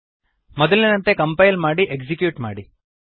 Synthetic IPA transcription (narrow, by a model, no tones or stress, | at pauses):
mɐd̪ɐlninɐnt̪ekɐmpɐjlmaːɽiʔeksikjuːʈma̰ːɽi